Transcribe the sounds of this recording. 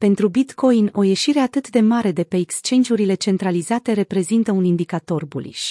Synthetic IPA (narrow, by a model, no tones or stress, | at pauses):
pe̞nt̪ɾubit̪kʰo̞jno̞je̞ʃiɾe̞at̪ɨt̪d̪e̞maɾe̞d̪e̞pe̞ːkst͡ʃe̞nd͡ʒiuɾile̞t͡ʃe̞nt̪ɾalizat̪e̞ɾe̞pɾe̞zint̪əunind̪ikat̪o̞rbṵlḭʃ